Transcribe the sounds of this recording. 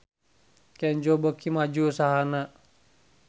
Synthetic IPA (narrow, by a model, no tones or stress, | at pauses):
kɛɲd͡ʒobəkimad͡ʒuusaɦana